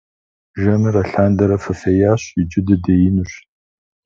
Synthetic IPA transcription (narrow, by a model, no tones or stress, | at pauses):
ʒɐmɨrɐɬaːndɐɾɐfɐfejaːɕid͡ʒɪdɨdɐjɪnuɕ